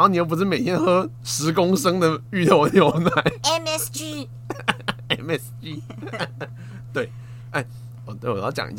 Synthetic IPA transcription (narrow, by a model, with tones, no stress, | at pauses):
ni˨˧˥pu˧˥ʂɻ̩˥˩me˨ɪt̪ʰjɛ˥˦nxɤ˥ | ʂɻ̩˧˥kʊ˥ŋʂɤ˥ŋd̪ə˨y˥˧t̪o˥˩˨njo˨˦ʊna˧˩˦ɪɛ˧mɛsd͡ʒi˦ | ɛ˧mɛ˧˦sd͡ʒi˦˥ | t̪we˥˩ɪ | a˥˩ɪ˨˩ | t̪we˥˩˨wɔ˨˩jɑ˥˩t͡ɕjɑ̰˨ŋʔḭ˧˥t͡ɕ